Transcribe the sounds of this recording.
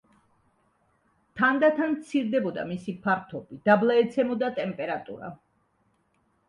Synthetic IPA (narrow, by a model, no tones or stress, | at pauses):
t̪ʰand̪at̪ʰanmt̪sʰiɾd̪ɛbɔd̪a̰misipʰaɾt̪ʰɔbid̪̥ablˠaɛt̪sʰɛmɔd̪at̪ʼɛmpʼɛɾat̪ʼṵɾa̰